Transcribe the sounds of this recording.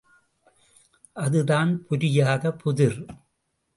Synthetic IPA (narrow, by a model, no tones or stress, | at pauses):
ʔɐðɯðaːnpʰʊɾɪjaːɣɐpʊðɪɾ